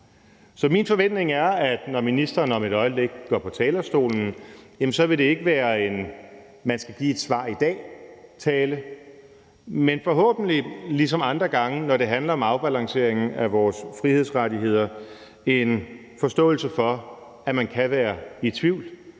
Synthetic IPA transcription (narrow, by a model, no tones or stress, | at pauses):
sɒ̽minfɒ̽ʋen̰d̥ne̝ŋæɐæd̥nɒminisd̥ɐːnɒ̽miɾɒ̽ɪəb̥leɡ̥ɡ̥ɒ̰ːpʰɒ̽t͡sʰɛːlɐsd̥o̝̰ːln̩jemn̩sɒ̽ʋe̝ɾ̥e̝e̝ɡ̥əʋæːɐe̝n | mænsɡ̥æɡ̥ḭːe̝d̥sʋɑ̰̈ːid̥ɛ̰ːt͡sʰɛːlə | menfɒ̽ɦɔ̰̽ːb̥n̩lilis̬ɒ̽mɑ̈nd̥ʁɐɡ̥ɑ̈ŋənɒɾ̥e̝ɦænlɐɒ̽mɑ̈ʊb̥ælɑ̈ŋse̝̰ɐ̰eŋn̩æʋɒːsfʁihe̝ð̞̰ˠsʁadiɦe̝ð̞̰ˠɐ | e̝n | fɒ̽sd̥ɔ̰̽ːl̩səfɒ̽ | æmænkʰæʋæːɐit͡sʰʋiʊ̰l